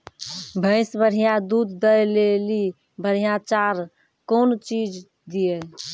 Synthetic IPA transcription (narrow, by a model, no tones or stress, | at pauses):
bʱəɪsbəɾ̤ijad̪ud̪ːəjleli | bʱəɾ̤ijat͡ʃaɾ | kont͡ʃid͡ʒ | d̪iɛ